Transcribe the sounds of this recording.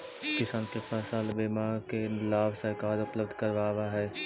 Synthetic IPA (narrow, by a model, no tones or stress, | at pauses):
kɪsaːnkepɛːsaːlbeːmaːɾkelaːbsəɪkaːɾʊpləb̚d̪ʱkəɾʋaːʋaɦɛː